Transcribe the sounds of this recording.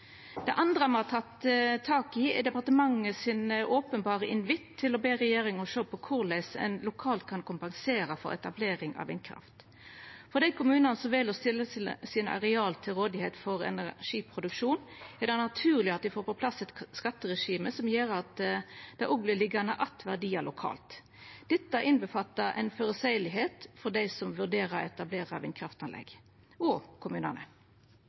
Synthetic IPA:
d̪̥ɛʔɑnd̪ɾəɑmhɑːt̪ʰɑt̪ːt̪ʰːɑːkɪɛd̪ɛpɑʁt̪əmɑŋːəsɪnʔoːpənbɑːʁəʔɪnʋɪt̪ʰːɪlɔbeːʁɛjeːɾɪŋɔʃøːpʰɔkʰʊʁlæɪsɛ̰nlʊkʰɑːlt̪̚kʰɑnkʰʊmpɑŋseːɾɑfɔ̰ɾɛ̰t̪ɑbleːɾɪŋɑ̰ʋɛ̰nkʰɾɑ̰ft̪ | fɔʁd̪ɛɪkʰʊmʉːnɑnəsɔʋɛlɔst̪ɪlːəssɪnɑ̰ɾɛɑːlt̪ʰɪlʁoːd̪ɪheːt̪fɔʁɛ̰næʂiːpʰɾʊd̪ʉkʂuːn | ɛd̪ænɑt̪ʰʉːʁlɪɑt̪̚d̪ɪfoːɾpɔpʰlɑsːɛt̪skɑt̪ːəʁɛʂiːməsɔmjeːɾɑt̪d̪̥ɛæʔɔblɪlɪɡɑnəʔɑt̪ʋæʁd̪iːɑlʊkʰɑ̰ːlt̪ | d̪̥ɛt̪ːəæɾɪnbəfɑt̪ːɑʔɛ̰ɪnføɾəsæɪlɪɦeːt̪fɔʁd̪æɪsɔmʋʉʁd̪eːʁəɾɛt̪ɑbleːɾɑɑ̰ʋɪnkʰɾɑft̪ɑnlɛ̰ɡ | ɔkʰʊmʉːnɑnə̰

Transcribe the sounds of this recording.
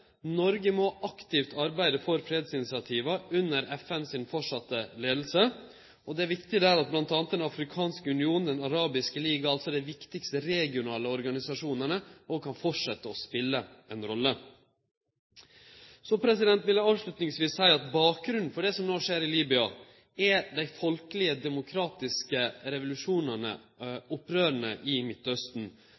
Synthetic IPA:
nɔɾɡəmoːʔɑkt̪ɪft̪ʰɑɾbæɪd̪əfɔɾfɾeːd̪sɪnɪsɪɑt̪ʰiːʋɑʉnːəɾɛfɛnsɪnfɔʂɑt̪ːəleːd̪l̩sə | ɔd̪ɛæʋɪkt̪ɪd̪æɾɑt̪̚blɑnt̪ɑːnt̪d̪ɛnɑfɾɪkʰɑːnskəʉnɪuːnn̩d̪ɛnɑɾɑːbɪskəliːɡɑɑlt̪sɔd̪æɪʋɪkt̪ɪkst̪əɾɛɡɪʊnɑːləɔɾɡɑnɪsɑʂuːnəɳəoɡkʰɑnfɔʈʂɛt̪ːəɔspɪlːəɛnɾɔlːə | sɔpʰɾɛsɪd̪ɛnt̪ʋɪlːəɑːʋʂlʉt̪nɪŋsʋiːsːæɪɑt̪bɑːk̚ɡɾʉn̩fɔɖɛsɔmnoːʂeːɾɪliːbʏɑ | ɛɖ̪æɪfɔlkəlɪəd̪ɛmʊkʰɾɑːt̪ɪskəɾɛʋʊlʉʂuːnɑɳə̰ | ʊpːɾøːɾəɳəʔɪmɪt̪ːœst̪n̩

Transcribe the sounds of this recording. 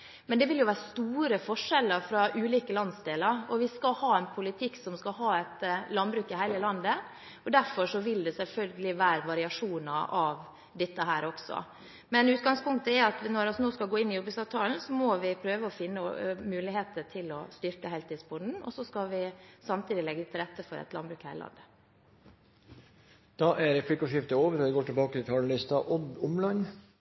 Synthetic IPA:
mɛnd̪ɛʋɪljʊʋæːɾəst̪uːɾəfɔʂɛləɾfɾɑʔʉːliːkəlɑnsd̪eːləɾɔʋɪskɑhɑːɛnpʰʊlɪt̪ʰɪkːsɔmskɑɦɑːɛt̪lɑnbɾʉːkɪhæɪləlɑnd̪ə | ɔd̪æɾfɔʂɔʋɪld̪ɛsɛlfœlɡəlɪʋæːɾəʋɑɾɪɑʂuːnɑɾʔɑʋ | d̪ɛt̪ːəɦæːɾɔksɔ̰ | mɛnʉːt̪ɡɑŋspʰʊŋkt̪əɛɾɑt̪ʋnɔɾɔsnoːskɑlɡoːɪnːɪjɔbɪsɑːʋt̪ʰɑːln̩sɔmɔʋɪpʰɾøːʋəɔfɪnːəmʉːlɪɦeːt̪ətʰɪlɔst̪ʏɾkəhæɪt̪ɪːsbʊnd̪n̩ɔ̰sɔskɑʋɪsɑmt̪ʰiːd̪ɪlɛɡːət̪ʰɪlɾɛt̪ːəfɔɾɛ̰t̪lɑnbɾʉːkhæ̰ɪɾɪlʔɑ̰nd̪ə | d̪̥ɑʔæɾɾɛplɪkʊʂɪft̪əoːʋəɾɔʋɪɡoːʈɪlbɑːkət̪ʰɪlt̪ʰɑːləlɪst̪ɑʔɔd̪ʊmlɑn

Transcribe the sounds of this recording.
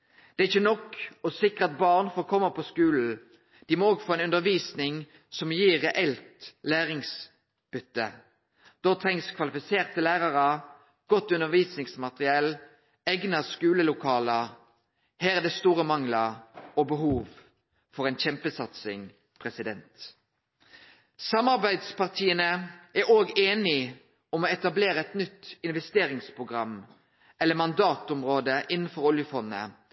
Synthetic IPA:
d̪̥ɛæɪçːənɔkːɔsɪkʁəɑt̪̚bɑʁnfoːkʰɔmːəpʰɔskʉːln̩ | d̪̥imoːoːɡfoːɛnʉnd̪əʁʋiːsnɪŋ | sɔmjiːʁɛʔɛlt̪læːʁɪŋs | b̥ʏt̪ːə | d̪̥ɔt̪ʰʁɛŋskʰʋɑlɪfɪseːʁt̪ʰːəlæːʁɑʁə | ɡ̥ɔt̪ːʉnəʁʋiːsnɪŋsmɑt̪ʁɪɛl | ɛɡnɑskʉːləlʊkʰɑːlə | hæːæd̪ɛst̪uːʁəmɑŋləɔbəɦuːʋ | fɔʁɛnçɛmpəsɑt̪sɪŋ | pʰʁɛsɪd̪ɛnt̪ | sɑmɑʁbæɪd̪spʰɑʁt̪ʰiːənəʔæoːɡeːnɪ | ɔmɔɛt̪ɑbleːʁəɛt̪nʏt̪ːɪnʋɛst̪eːɾɪŋspʰʁʊɡʁɑmː | ɛlːəmɑnd̪ɑːt̪ʊmʁoːd̪əʔɪnən̩fɔɾɔljəfɔnːə̰

